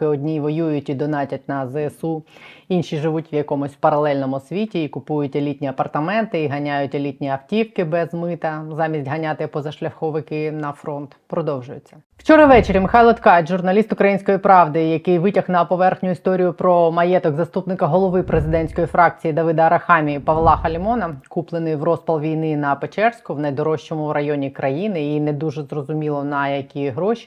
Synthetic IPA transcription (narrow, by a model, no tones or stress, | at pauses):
ɪɔdʲnʲijʋɔjujʊtʲid̪ɔnɑtʲɐtʲnɐzɛsuinʃiʒɪʋutʲʋjɐkɔmɔsʲwpɐɾɐlˠɛlʲnɔmʊsʲʋʲitʲiikʊpujʊtʲɐlʲit̪ʲnʲiɐpɐrt̪ɐmɛnt̪ɪiɦɐnʲajʊtʲɐlʲit̪ʲnʲiɐftʲiwkɪbɛzmɪt̪ɐzɑmʲisʲtʲɦɐnʲat̪ɪpɔzɐʃlʲɐxɔʋɪkɪnɐfɾɔnt̪pɾɔd̪ɔwʒʊjʊt͡sʲːɐ | w̥t͡ʃɔɾɐʋɛt͡ʃeɾʲɐmɪxɑjlˠɐt̪kɑjt̪ʒʊrnɐlʲist̪ʊkɾɐjinʲsʲkɔjipɾɑʋd̪ɪjɐkɪjʋɪtʲɐxnɐpɔʋɛrxnʲʊist̪ɔɾʲijʊpɾɔmɐjɛt̪ɔɡzɐst̪upnɪkɐɦɔlˠɔʋɪpɾezɪd̪ɛnʲsʲkɔjifɾɑk̚t͡sʲijid̪ɐʋɪd̪ɐɐɾɐxɑmʲijipɐʋlˠɑxɐlʲimɔnɐkuplˠenɪjʋrɔspɐlˠʋʲijnɪnɐpet͡ʃɛrsʲkʊʋnɐjd̪ɔɾɔʃt͡ʃɔmʊɾɐjɔnʲikɾɐjinɪinɛd̪uʒɛzrɔzʊmʲilˠɔnɐjɐkʲiɦɾɔʃʲi̥